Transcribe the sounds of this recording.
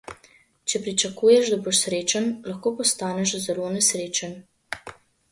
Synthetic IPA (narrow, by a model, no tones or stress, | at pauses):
t͡ʃɛpɾit͡ʃɐkuːjɛʃd̪aboʃsɾeːt͡ʃanlɐxkoːpɔst̪aːnɛʃzɛlonɛsɾeːt͡ʃan